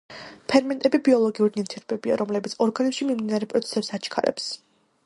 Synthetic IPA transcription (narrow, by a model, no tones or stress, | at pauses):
pʰɛɾmɛnt̪ʼɛbibiɔlˠɔɡiuɾinit̪ʰiɾbɛbia̰ɾɔmlɛbit̪sʰɔɾɡanɛʃimimd̪inaɾɛpʼɾɔt̪sʰɛ̥sɛpsat͡ʃʰkʰa̰ɾɛ̰ps